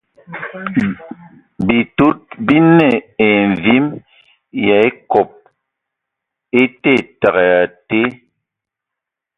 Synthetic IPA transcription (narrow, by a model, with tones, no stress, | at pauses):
bi˨to˦t̚bi˦nɛ˦˨e˨n˨vi˦m | ja˨e˦kɔ˨p̚ | e˦te˦˨ta˨ɣɛ˨a˨te˦